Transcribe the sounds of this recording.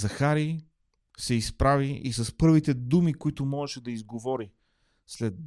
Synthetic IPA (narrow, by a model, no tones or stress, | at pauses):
zɐxaɾi | sɛispɾaviisɐspɤɾvit̪ɛd̪umikʊit̪ʊmɔʒɛʃɛd̪ɐizɡovɔɾi | slɛd̪̚